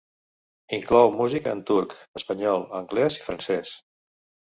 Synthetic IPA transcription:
iŋklɔwmuzikəənt̪uɾkəspəɲɔlˠəŋɡlɛzifɾənsɛs

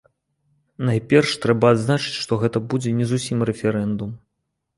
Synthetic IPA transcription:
najpʲɛrʂt̪ɾɛbɐːd̪znat͡ʂɨ̥t͡sʲʂt̪ɔɣɛt̪ɐbud͡zʲɛnʲɛzusʲimrɛfʲɛɾɛnd̪um

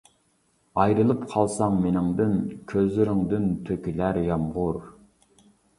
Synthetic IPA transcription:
ɑjɾɨlˠɨpqʰɑlˠsɑŋmenɪŋd̪ɨnkʲʰøzlɪɾɪŋd̪ɪnt̪ʰøkʲilæɾjɑmʁʊɾ

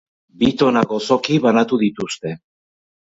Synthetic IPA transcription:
bit̪o̞naɣo̞so̞kiβanat̪uðit̪ust̪e̞

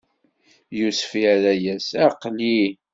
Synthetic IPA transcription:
jusfiæɾæjæsæqːli

